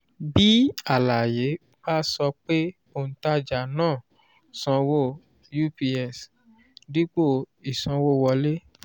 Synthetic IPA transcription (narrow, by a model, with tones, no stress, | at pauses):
bi˦a˦˨la˨je˨˦ | ba˦sɔ˧k͡pe˦ | o˨ñ̩˨˦ta˦d͡ʒa˨nãː˦˨ | sɔ̃˧wo˦˨ | ju˦pi˧ɛ˨s | di˦k͡po˦˨ | i˨sɔ̃˧wo˦˨wɔ˧le˦